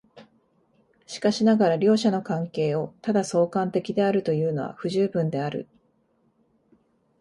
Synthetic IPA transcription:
ɕi̥kaɕinaɡaɾaɾʲo̞ːɕano̞kãŋke̞ːo̞t̪ad̪aso̞ːkãnt̪e̞kʲid̪e̞aɾɯ̟t̪o̞jɯ̟ːno̞βa̰ɸɯ̟ʑɨːbɯ̟̃nd̪e̞aɾɯ̟̰

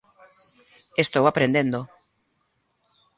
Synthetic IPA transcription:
est̪owapɾend̪end̪o

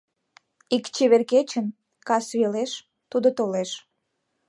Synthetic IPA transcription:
ikt͡ɕeβerket͡ɕən | kɑsβeleʃ | t̪ud̪ot̪oleʃ

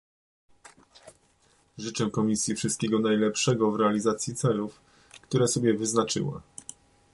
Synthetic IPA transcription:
ʐɘt͡ʂɛkɔmʲisʲjifʂɘst̪̚kʲɛɡɔnajlɛpʂɛɡɔvɾɛalʲizat̪sʲjit̪sɛluf | kt̪uɾɛsɔbʲjɛvɘznat͡ʂɘ̰wa̰

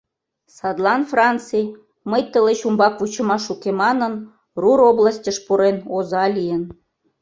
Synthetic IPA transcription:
sɑd̪lˠɑnfrɑnt͡sɨj | məjt̪ə̆leɕumbɑkvut͡ɕɤ̆mɑʃukemɑnən | ruɾoblˠɑsʲtʲəʃpuɾenozɑlʲijən

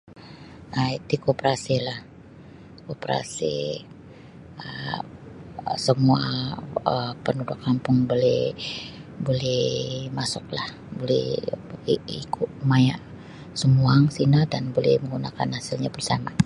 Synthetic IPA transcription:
ait̪ikopɾasilah | kopɾa̰sḭ | ə | səmua̰əpənudʊkʰːampʊŋbolɛh | bolɛhmasʊk̚lah | bolɛ̰hiikʰʊt̚maja̰ʔ | səmuaŋsinadanbolɛ̰hməŋɡunaka̰nhasilɲabərsama

